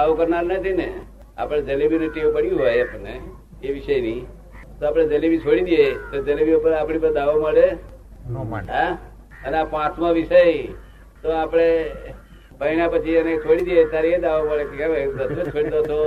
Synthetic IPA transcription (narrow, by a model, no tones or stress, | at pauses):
d̪aʋokəɾnaɾnət̪ʰinḛ | a̰pəɽ̃d͡ʒəlibinuʈipəɽjũɦojapəne | eʋɪʃəjni | t̪oapɽ̃ed͡ʒəlibit͡ʃʰoɽid̪ijet̪od͡ʒəlibiopəɾapɽ̃ipəɾd̪aʋoməɭe | ɦã | əneapãt̪ʰmãʋiʃəj | t̪oapɽ̃e | pəɦiɳãpət͡ʃʰienet͡ʃʰoɽid̪ijet̪aɾied̪aʋoməɭekikaʋeɾət̪ʰːod͡ʒt͡ʃʰoɽid̪ot̪o